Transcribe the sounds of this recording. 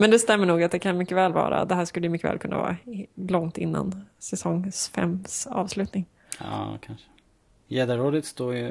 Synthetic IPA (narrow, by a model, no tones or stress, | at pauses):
mɛnd̪ɛst̪ɛmːəɳuːɡat̪̚d̪ɛkʰanmʏkːəvɛːlvɑ̰ːɾa̰d̪ɛɦæːʂkɵlːəjʏmʏkːəvɛ̰ːlkɵnːa̰vɑ̰ːɾalɔŋt̪ɪnːa̰nsɛsɔŋsfɛ̰msɑ̰ːvslʉ̟ːt̪nɪŋ | ɑ̰kʰanʂə̥ | jeːd̪aɾoːd̪ət̪st̪oːɾjɵ